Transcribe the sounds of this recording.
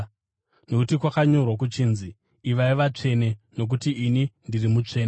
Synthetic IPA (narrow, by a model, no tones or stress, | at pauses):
nokutikwakaɲo̞rwak̬ut͡ʃiːnziː | ʋaiʋat͡ʂe̞ne̞no̞k̬utiːnindirimut͡ʂe̞ːne